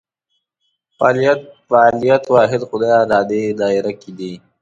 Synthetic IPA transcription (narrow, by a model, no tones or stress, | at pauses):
fɑːlijat̪̚faːlijat̪wɑːɦɪd̪xʊd̪ɑjaɾɑːd̪ed̪ɑːɪɾakid̪i